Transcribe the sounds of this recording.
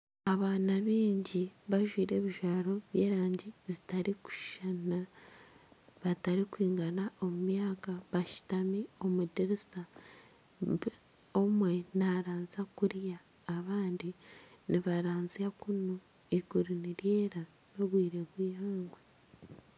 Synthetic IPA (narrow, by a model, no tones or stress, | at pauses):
aβaːnaβiːɲɟiβaʒwiːɾe̞ːβiʒaːɾo̞βje̞ːɾaːɲɟizitaɾiku̥ʃana | βataɾikwiːŋɡanaʔo̞mumjaːkaβaʃi̥tamio̞mudeɾisa | omwenaɾaːnzakuɾjaː | βaːndiniβaɾaːnziakuno | iɡuɾiniɾjeːɾa | no̞βwiːɾe̞βwijaːŋɡwe